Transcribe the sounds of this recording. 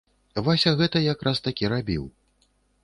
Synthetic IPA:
vasʲaɣɛt̪ɐjakɾʔast̪akʲiɾabʲiw

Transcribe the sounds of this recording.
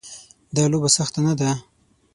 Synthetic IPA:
d̪ɑlobasaxt̪anad̪a

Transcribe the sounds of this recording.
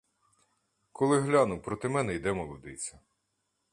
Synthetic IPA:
kʰɔlˠɪɦlʲanʊwpɾɔt̪ɪmɛnɛjd̪ɛmɔlˠɔd̪ɪ̰t͡sʲɐ

